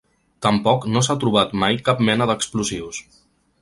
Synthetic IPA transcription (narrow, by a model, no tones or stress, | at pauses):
t̪əmpɔknos̬at̪ɾuβ̞at̪majkap̚mɛnəðəkspluziws